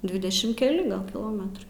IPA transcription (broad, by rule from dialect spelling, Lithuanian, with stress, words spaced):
ˈdʲʋʲɪdʲɛʃʲɪm kʲɛˈlʲɪ ˈɡɐlˠ kʲɪˈlˠoːmʲɛtrɐɪ